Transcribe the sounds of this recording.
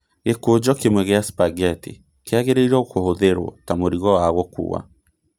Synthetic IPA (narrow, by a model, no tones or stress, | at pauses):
ɣekod͡ʒɔkemwɛɣeaspaɣɛtḛ | keaɣeɾeiɾɛokohoðeɾwɔ̰tamoɾiɣɔwaɣwɔkṵwa̰